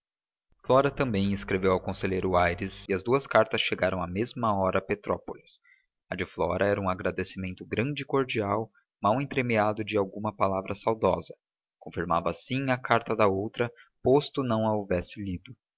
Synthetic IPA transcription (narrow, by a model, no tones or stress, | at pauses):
flɔɾɐt̪ɐ̃mbẽj̃ɪskɾevewawkõseʎejɾʊajɾɪsɪɐzd̪uɐskaɾt̪ɐsʃeɡaɾɐ̃w̃amezmɐɔɾɐpet̪ɾɔpolis | ɐd͡ʒɪflɔɾɐɛɾɐũaɡɾad̪esimẽnt̪ʊɡɾɐ̃nd͡ʒɪkoɾd͡ʒiaw | mawẽnt̪ɾemiad̪ʊd͡ʒɪawɡũmɐpalavɾɐsawd̪ɔzɐ | kõfiɾma̰vɐsĩɐkʰaɾt̪ɐd̪ɐowt̪ɾɐpost̪ʊnɐ̃w̃ɐovɛsɪlid̪ʊ